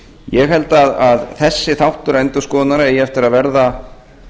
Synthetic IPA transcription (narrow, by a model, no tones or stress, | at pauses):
jɛɣɦɛlt̪aðaðθɛsːɪθawht̪ʏɾɛnt̪ʏskɔːðnaɾaɛjɛɛft̪ɪɾaðvɛɾða